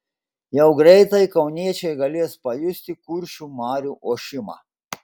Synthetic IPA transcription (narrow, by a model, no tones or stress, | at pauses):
jɛʊɡɾʲɛɪt̪ɐjkɐʊnʲiɛt͡ʃʲɛjɡɐlʲeɛspɐjʊsʲt̪ʲɪkuɾʲʃʲumɑːɾʲuʔoːʃʲɪmɑ̰ː